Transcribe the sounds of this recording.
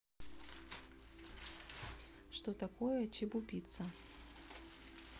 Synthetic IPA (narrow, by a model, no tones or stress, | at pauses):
ʂt̪ot̪ɐkojɛt͡ɕibʊpʲit̪sɐ